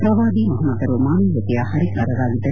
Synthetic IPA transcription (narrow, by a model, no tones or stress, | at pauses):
pɾɐʋaːd̪imɐɦɐmːɐd̪ɐɾomaːmiːjɐt̪ijaːhɐɾikaːɾɐd̪aːɡid̪ɐ